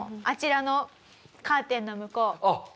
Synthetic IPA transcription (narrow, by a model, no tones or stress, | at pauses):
at͡ɕiɾano̞ | kaːt̪ẽ̞nːomɯ̟koː